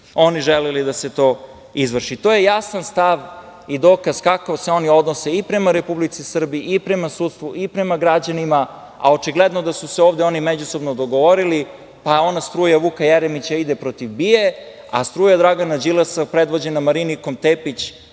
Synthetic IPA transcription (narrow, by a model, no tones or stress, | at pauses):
o̞niʒelɛlid̪ase̞t̪o̞ | izʋr̩ʃit̪o̞ːje̞jasanst̪aʋ | id̪o̞ːkazkakaseo̞nio̞d̪nose̞ipɾemaɾepublit̪sisr̩biiʔːpɾemasuːt̪st̪vʋuipɾemaɡɾad͡ʑanima | a̰o̞t͡ʃiɡled̪nod̪asuseo̞ːʋd̪eo̞nimed͡ʑuso̞bnod̪o̞ɡo̞ʋo̞ɾili | pao̞nast̪ɾuːjaʋukajeɾemit͡ɕaid̪epɾot̪iʋbije | a̰st̪ɾuːjad̪ɾaɡanad͡ʑilesapɾed̪ʋo̞d͡ʑenamaɾiniko̞mt̪epit͡ɕ